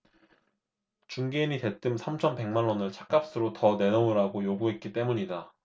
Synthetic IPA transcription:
t͡ɕuŋɡeiɲite̞t͈ɯmsʰamt͡ɕʰʌnpe̞ŋmanwʌnɯɭt͡ɕʰḁk͈ap̚s͈ɯɾotʌne̞nouɾaɡojoɡuɦe̞t̚k͈it͈e̞muɲida

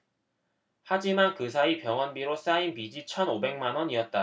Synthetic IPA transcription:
had͡ʑimankɯs̬ʰaipjʌŋwʌnbiɾos͈ainpid͡ʑit͡ɕʰʌnobe̞ŋmanwʌɲiʌt̚t͈a

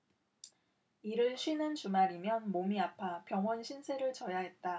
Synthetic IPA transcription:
iɾɯɭɕʰɥinɯnt͡ɕumaɾimjʌnmomiapʰapjʌŋʌnɕʰinsʰeɾɯɭt͡ɕʌjaɦe̞t̚t͈a

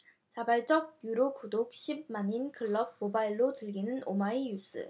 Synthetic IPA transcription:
t͡ɕabaɭt͡ɕ͈ʌɡ̚juɾokudok̚ɕʰib̚maɲinkʰɯɭːʌb̚mobaiɭːotɯɭɡinɯnomaijus͈ʰɯ̰

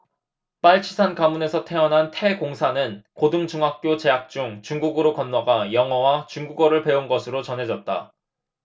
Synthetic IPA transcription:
p͈aɭt͡ɕʰi̥sʰankamune̞sʰʌtʰe̞ʌnɦantʰe̞koŋsʰanɯnkodɯŋd͡ʑuŋɦak̚k͈jot͡ɕe̞ɦak̚t͡ɕ͈uŋt͡ɕuŋɡuɡɯɾokʌnːwaɡajʌŋʌwat͡ɕuŋɡuɡʌɾɯɭpe̞unɡʌsʰɯɾot͡ɕʌnɦe̞d͡ʑʌt̚t͈a̰

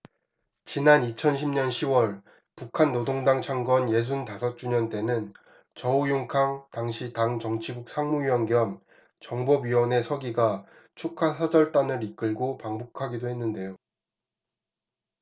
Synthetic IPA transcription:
t͡ɕinanit͡ɕʰʌnɕʰimɲʌnɕʰiwʌɭ | pukʰanːodoŋdaŋt͡ɕʰaŋɡwʌnje̞s̬ʰuntasʰʌt͡ɕ͈uɲʌnt͈e̞nɯn | t͡ɕʌujoŋkʰaŋtaŋɕʰitaŋt͡ɕʌŋt͡ɕʰibuk̚s͈ʰaŋmuɥiwʌnɡjʌm | t͡ɕʌŋbʌbɥiwʌne̞sʰʌɡiɡa | t͡ɕʰukʰasʰad͡ʑʌɭt͈anɯɾik͈ɯɭɡopaŋbokʰaɡidoɦe̞nːɯnde̞jo

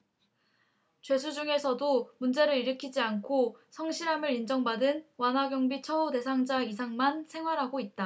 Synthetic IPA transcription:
t͡ɕwe̞sʰud͡ʑuŋe̞sʰʌdomund͡ʑe̞ɾɯɾiɾɯkʰid͡ʑiankʰosʰʌŋɕʰiɾamɯɾind͡ʑʌŋbadɯnwanɦaɡjʌŋbit͡ɕʰʌude̞sʰaŋd͡ʑaisʰaŋmansʰe̞ŋɦwaɾɦaɡoit̚t͈a

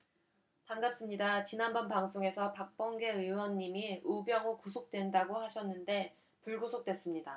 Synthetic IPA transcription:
paŋɡap̚s͈ɯmɲidat͡ɕinanbʌnpaŋsʰoŋe̞sʰʌpak̚p͈ʌŋɡe̞ɯwʌnːimiʔubjʌŋokus̬ʰok̚t͈we̞ndaɡohaɕʰʌnːɯnde̞ | puɭɡosʰok̚t͈we̞s͈ɯmɲida

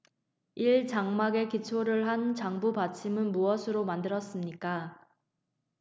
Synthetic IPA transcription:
iɭt͡ɕaŋmaɡe̞kit͡ɕʰoɾɯɭɦant͡ɕaŋbupat͡ɕʰimɯnmuʌsʰɯɾomandɯɾʌs͈ɯmɲik͈a

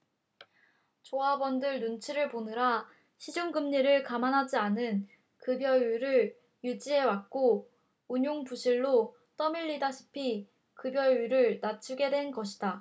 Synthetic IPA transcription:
t͡ɕoabʌndɯɭnunt͡ɕʰiɾɯɭponɯɾa | ɕʰid͡ʑuŋɡɯmɲiɾɯɭkamanɦad͡ʑianɯn | kɯbjʌuɾɯɭ | jud͡ʑie̞wak̚k͈o | uɲoŋpuɕʰiɭːo | t͈ʌmiʎːidaɕʰi̥pʰi | kɯbjʌɥuɾɯɭnat͡ɕʰuɡe̞dwe̞nɡʌɕʰida

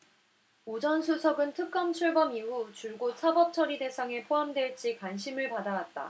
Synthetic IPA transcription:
od͡ʑʌnsʰusʰʌɡɯntʰɯk̚k͈ʌmt͡ɕʰuɭbʌmiɦut͡ɕuɭɡosʰabʌp̚t͡ɕʰʌɾide̞sʰaŋe̞pʰoɦamdwe̞ɭt͡ɕ͈ikwanɕʰimɯɭpadawat̚t͈a̰

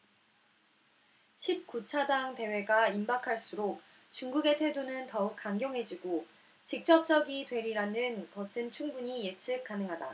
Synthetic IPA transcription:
ɕʰip̚k͈ut͡ɕʰadaŋte̞we̞ɡaimbakʰaɭs͈uɾok̚ | t͡ɕuŋɡuɡe̞tʰwedonɯntʌuk̚k͈aŋɡjʌŋɦe̞d͡ʑiɡo | t͡ɕik̚t͡ɕ͈ʌp̚t͡ɕ͈ʌɡitwe̞ɾiɾanɯnkʌsʰɯnt͡ɕʰuŋbuɲije̞t͡ɕʰɯk̚k͈anɯŋɦada

